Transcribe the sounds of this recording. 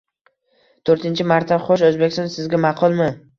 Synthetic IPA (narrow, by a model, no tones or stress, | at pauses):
t̪ʰoɾt̪ʰɪnt͡ʃʰɪmaɾt̪d̪aχoʃozbekʲɪst̪nsɪzɡʲamɑqʰʊlˠmɪ